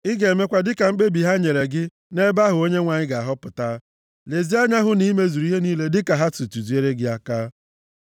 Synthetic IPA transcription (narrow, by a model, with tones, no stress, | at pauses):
ɪ˦ɡe˨me˦kʷa˦dɪ˦ka˨ŋ͡m̩˦k͡pe˦bi˨ɦa˦ɲe˨ɾe˨ɡɪ˦ | ne˦ba˦ɦʊ˨o˦ɲe˦ŋʷa˨ɲɪ˦ɡa˨a˨ɦɔ˦pʊ˨ta˦ | le˨zi˦a˦ɲa˦ɦʊ˦ni˦me˦zu˨ɾu˦i˦ɦe˦niː˦le˦dɪ˦ka˨ɦa˦tu˨tu˨zu˨e˦ɾe˦ɡɪ˦a˦kaː˦